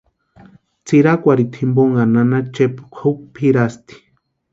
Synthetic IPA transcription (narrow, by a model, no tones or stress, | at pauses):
t͡siɾakʷaɾit̪ʰimboŋananat͡ʃepu̥kʷʰowpʰiɾast̪i̥